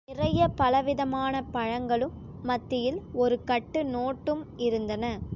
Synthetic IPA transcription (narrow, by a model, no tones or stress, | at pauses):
ɪrɐjɐpɐlɐʋɪðɐmaːnɐpɐɻɐŋɡɐɭɯmː | ɐt̪ːɪjɪlɔɾɯkɐʈːɯnoːʈːɯmɪɾɯnd̪ɐnɐ